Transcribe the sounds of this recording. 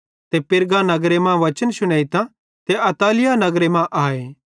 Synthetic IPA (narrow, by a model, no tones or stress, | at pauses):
t̪epɪɾɡãnɐɡɾemãʋɐt͡ʃənʃʊɽ̃eːit̪ã | t̪eʔɐt̪aːlɪjanɐɡɾemãʔaːeː